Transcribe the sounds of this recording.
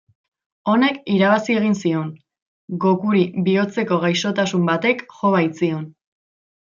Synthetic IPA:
o̞ne̞kiɾaβasieɣ̞insio̞n | ɡo̞kuɾiβio̞t͡se̞ko̞ɣajso̞t̪asumbat̪e̞kxo̞β̞ajt͡sio̞n

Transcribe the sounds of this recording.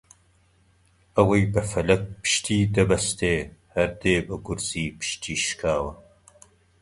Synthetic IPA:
ɐwɐjbɐfɐlɐk̚pʰɨ̥ʃt̪ʰiːd̪ɐbɐst̪ʰeːhɐɾd̪eːbɐɡʊɾz̥iːpʰɨ̥ʃt̪ʰiːʃkʰaːwɐ

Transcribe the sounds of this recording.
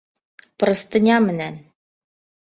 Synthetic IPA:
pɤ̆ɾɤ̆st̪ɤ̆nʲɑmɘ̆næn

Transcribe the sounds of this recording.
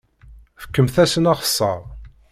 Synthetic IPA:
fə̥kːəmθæsənɑʁə̥sˤːɑ̰ʁˤ

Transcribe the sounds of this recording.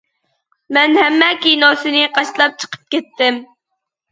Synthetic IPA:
mɛnhɛmːɛkʲinosɨnɪqʰɑʃlˠɑp̚t͡ʃʰə̥qʰə̥p̚kʲɛt̪ːɪm

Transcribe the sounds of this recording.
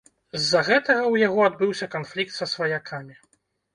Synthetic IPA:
zːɐɣɛt̪ɐɣɐwjaɣɔad̪bɨwsʲɐkanflʲik̚t̪sɐsvɐjakʰamʲi

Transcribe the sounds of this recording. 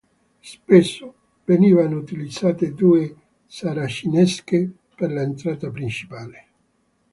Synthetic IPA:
spesːo | veniːvanout̪ilid̪z̥aːt̪ed̪uːe | saɾaʃinɛske | perlaent̪ɾaːt̪apɾint͡ʃi̥paːle

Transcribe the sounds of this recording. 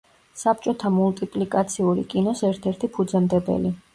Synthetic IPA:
sap̚t͡ʃʼɔt̪ʰamult̪ʼipʼlikʼat̪sʰiuɾḭkʼinɔsɛɾt̪ʰɛɾt̪ʰipʰud̪zɛmd̪ɛbɛ̰li

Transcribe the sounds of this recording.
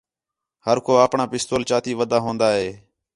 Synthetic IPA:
həɾkʰoːaːpɳaːpɪst̪oːlt͡ʃaːt̪iːʋəd̪aːɦõːnd̪aːɦeː

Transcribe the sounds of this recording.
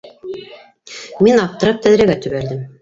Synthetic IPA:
minɑp̚t̪ɤ̆ɾɤp̚t̪ʰæðɾæɡæt̪ɵ̆βæɾd̪ɘm

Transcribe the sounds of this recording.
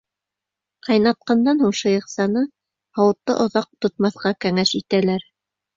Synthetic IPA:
qɑjnɑt̪̚qɑnd̪ɑnhuɴʃɤ̆jɤ̆qsɑnɤ | hɑwɤ̆t̪ːɤ̰ʔŏðɑq̚t̪ŏt̪̚mɑθqɑkæŋæʃit̪ælæɾ

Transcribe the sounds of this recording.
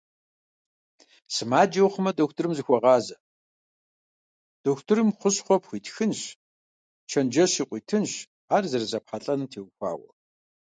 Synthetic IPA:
sɨmaːd͡ʒɐwχəmɐdoxtʰɨrɨmzɨxʷɔʁɑːzɐ | d̥oxʷtʰɨrɨmχʷʊɕχʷɔpxʷiːtxɨnɕ | t͡ʃʰɐnd͡ʒɐɕiːqʷʼiːtʰɨnɕ | aːrzɐrɨzɐpħaɬʼɐnɨtʰeːwxʷɑ̰ːwɐ̰

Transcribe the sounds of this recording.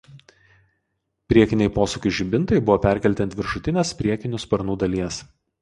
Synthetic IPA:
pʲɾʲiɛkʲɪnʲɛɪpoːsʊkʲʊʒʲɪbʲɪnt̪ɐɪbʊʋoːpʲæɾʲkʲɛlʲt̪ʲɛnt̪ʋʲɪɾʃʊt̪ʲɪnʲeːspʲɾʲiɛkʲɪnʲʊspɐɾnuːd̪ɐlʲiɛs

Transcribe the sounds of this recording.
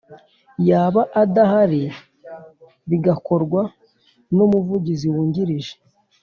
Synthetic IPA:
jaːβaʔadahaɾi | βiɡako̞ɾɡwa | nomuvuɟiziwuːɲɟiɾiʒe̥

